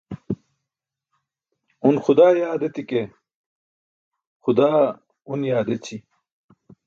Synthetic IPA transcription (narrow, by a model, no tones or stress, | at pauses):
unxud̪aːjaːd̪et̪ike | xud̪aː | unjaːd̪et͡ɕʰi